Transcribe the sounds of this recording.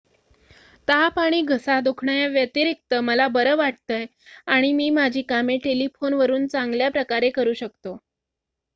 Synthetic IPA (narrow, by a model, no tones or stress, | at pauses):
t̪apaɽ̃iːɡʱəsad̪ukʰɳajaʋjət̪iɾik̚t̪əməlabəɾəʋaʈ̚t̪əj | aɽ̃imiːmad͡ʑʱiːkameʈelifʰonʋəɾuːnt͡saŋɡljapɾəkaɾekəɾuːɕəkt̪o